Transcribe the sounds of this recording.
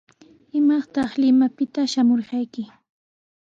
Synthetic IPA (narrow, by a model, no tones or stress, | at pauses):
ɪmɑχt̪ɑχlɪmapɪt̪aʃamoɾɢɑjkɪ